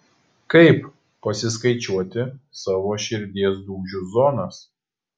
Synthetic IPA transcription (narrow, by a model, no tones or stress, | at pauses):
kɐɪp | pɐsʲɪskɐɪt͡ʃʲuɔt̪ʲɪsɑːʋoːʃʲɪɾʲd̪ʲiɛsd̪uːʒʲuzɔːnɐs